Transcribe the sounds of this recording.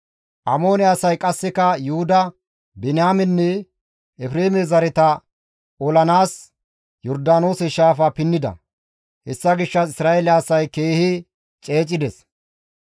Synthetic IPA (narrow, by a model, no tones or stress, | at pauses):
ʔɐmo̞ːnɛɐsɐjkʼɐsːɛkɐjʊhʊd̪ɐ | bɛnɪamɛnːɛː | fɾeːmɛzɐɾɛt̪ɐ | ɔlɐnaːs | jɔɾd̪aːno̞ːsɛʃaːfɐpɪnːɪd̪ɐ̰ | hɛsːɐɡɪʃːɐsɪsɾaːelɐsɐjke̞ːhɪ | t͡ʃʼe̞ːt͡ʃʼːɪd̪ɛs